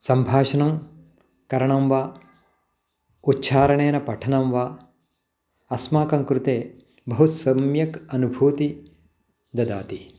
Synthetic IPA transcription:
sɐmbʱaːʃɐnɐm | kɐɾɐɳɐmʋaː | utːʃʰaːɾɐɳeːnɐpɐʈʰɐnɐmʋaː | ɐsmaːkɐŋkɾut̪eː | bɐɦusɐmjɐkɐnubʱuːt̪i | d̪ɐd̪a̰ːt̪i

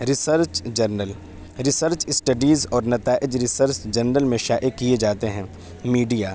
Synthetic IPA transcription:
ɾɪsəɾt͡ʃd͡ʒɐɾnəl | ɾɪsəɾt͡ʃɪsʈəɖiːzɔːɾnɐt̪aːʔɪd͡ʒɾɪsəɾsd͡ʒɐnːəlmẽʃaːʔekied͡ʒaːt̪eɦɛ̃ː | miːɖijaː

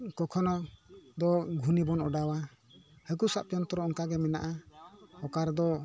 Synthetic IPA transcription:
kɔkʰɔnɔd̪ɔɡʱunibɔnɔɖawa | hək̬usap̚t͡ʃɔnt̪ɔɾɔɔnkaɡɛmɛna̰ʔahɔkaɾd̪ɔ

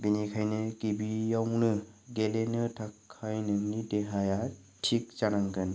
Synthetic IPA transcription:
binikʰajnɯkibijawnɯɡelenɯtʰakʰːajnɯnideɦaja | tʰik̚t͡ʃanaŋkɯn

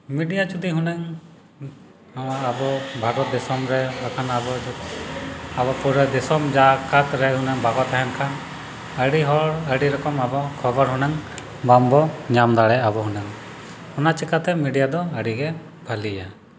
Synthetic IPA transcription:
miɖijat͡ʃud̪iɦunɛŋ | awaːbɔbʱaɾɔt̪̚d̪ɛsɔmɾɛbakʰanabɔ | abɔpuɾɛd̪ɛsɔmd͡ʒakat̪ɾɛɦunɛŋbaɡɔt̪aɦɛnkʰan | əɽiɦɔɾəɖiɾɔkɔmabɔkʰɔbəɾɦunɛŋ | bambɔɲamd̪aɽɛabɔɦunɛŋ | hɔnat͡ʃikat̪ɛmiɖijad̪ɔəɖiɡɛ | bʱalija̰

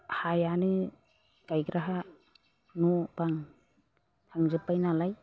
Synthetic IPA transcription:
hajanɯ | ɡ̥ajɡɾaɦa | nɔbaŋ | tʰaŋzɯpajnalaj

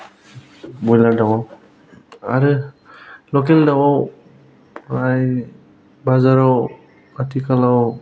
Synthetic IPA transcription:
bɔjladawɔ | aɹɯ | lɔkɛldawɔw | aj | bazaɹɔw | atikalaw

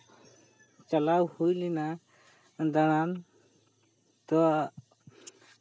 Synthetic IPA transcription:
t͡ʃalawhujlɛna | d̪aɽ̃an | t̪ɔ

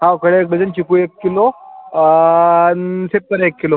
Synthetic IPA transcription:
ɦãokəɽeek̚bʱəd͡zənt͡ɕʰikuekːilo | nsep̚t̪əɾekːilo

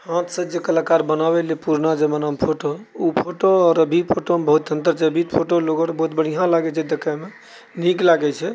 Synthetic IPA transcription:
hãt̪sə̃d͡ʒekəlakaɾbənabelepuɾnad͡ʒəmənampʰoʈoupʰoʈoɔːɾəbʱipʰoʈomebəɦut̪̚ə̃nt̪əɾt͡ʃʰɛəbʱit̪̚pʰoʈoloɡɔɾbəɦut̪bəɽ̤ijãlaɡɛt͡ʃʰɛd̪əkame | niklaɡɛt͡ʃʰɛ

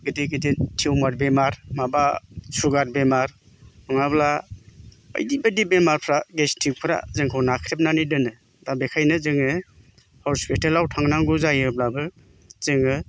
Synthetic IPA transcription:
ɡɯdiɡiditʰiwmaɾbemaɾmabasuɡat̚bemaɾ | ɔŋabla | ə̰jdibɯdibemaɾpʰɾaɡestʰik̚pʰɾa̰zɯŋkʰɯwnakʰɾep̚nanidɯnɯ | dabekʰajnɯzɯŋɯ | hoɾspitelawtʰaŋnaŋɡuzajɯblabɯ | zɯŋɯ

